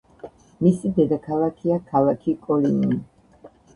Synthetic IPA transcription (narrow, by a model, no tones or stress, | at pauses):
misid̪ɛd̪akʰalˠakʰiakʰalˠakʰikʼɔlinii